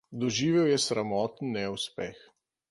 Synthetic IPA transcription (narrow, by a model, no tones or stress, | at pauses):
d̪ɔʒiːʋɛwjɛsɾamɔːt̪ən̩ːɛuspɛx